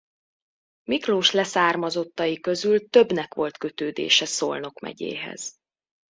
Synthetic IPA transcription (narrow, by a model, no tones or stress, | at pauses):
mikroːʃlɛsaːrmɒzo̞t̪ːɒjikø̞zylt̪ø̞bnɛkʋo̞lt̪kø̞t̪øːd̪ḛːʃɛsolno̞kmɛ̰ɟḛːɦɛ̰z̥